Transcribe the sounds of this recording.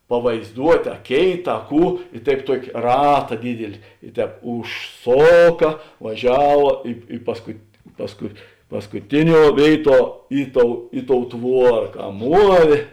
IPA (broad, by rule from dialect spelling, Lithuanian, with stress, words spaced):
pɐʋɐɪzˈduɔtʲ ɐ ˈkʲeːɪt ɐ ˈkuː ɪ ˈtɐɪp ˈtuɔkʲ ˈrɑːtɐ ˈdʲiːdʲɪlʲɪ ɪ ˈtʲɛːp ʊʃˈsoːkɐ ʋɐˈʒʲæːʋɐ ˈɪ ɪ pɐskʊt pɐsˈkʊ pɐskʊˈtʲɪˌnʲuɔ ˈʋʲeːɪˌtuɔ ˈɪ ˌtoːʊ ˈɪ ˌtoːʊ ˈtʋuɔrɐ kɐ ˈmuɔʋʲeː